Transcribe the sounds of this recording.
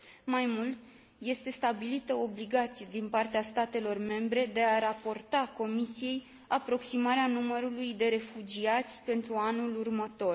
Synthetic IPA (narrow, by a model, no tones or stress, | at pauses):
majmult̪ | je̞st̪e̞st̪abilit̪əobliɡat̪sijed̪inpart̪east̪at̪e̞lo̞rme̞mbɾe̞d̪e̞aɾapo̞rt̪ako̞misije̞j | apɾo̞ksimaɾeanuməɾulujd̪e̞ɾe̞fud͡ʒiat̪sʲpe̞nt̪ɾuanulurmət̪o̞r